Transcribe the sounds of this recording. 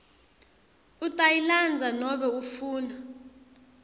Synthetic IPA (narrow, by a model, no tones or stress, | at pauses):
utʼajiland͡zʱanɔɓɛufuːna